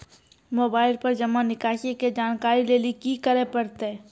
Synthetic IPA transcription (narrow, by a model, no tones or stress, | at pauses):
moːbaːɪlpɐɾd͡ʒɐmːanɪkaːʃeked͡ʒaːnkaːɾileːlikikəɾepɐɾt̪ɛː